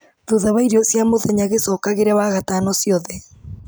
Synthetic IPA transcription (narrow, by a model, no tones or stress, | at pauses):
ðoðaβaiɾiɔsjamoðaɲaɣesɔːkaɣeɾɛwaɣataːnɔsiɔðɛ